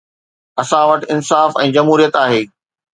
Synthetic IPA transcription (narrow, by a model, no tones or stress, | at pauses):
ɐsãʋɐʈɪ̆ɪnsaːfɛ̰̃ːd͡ʑɐmɦuːɾijət̪aːɦeː